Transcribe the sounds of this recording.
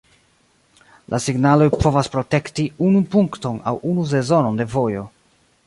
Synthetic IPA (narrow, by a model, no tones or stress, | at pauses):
lʔasiɡnalo̞jpʰo̞vaspɾo̞te̞ktiunupuŋkto̞na̰wunus̬e̞zo̞no̞nde̞vo̞jo̞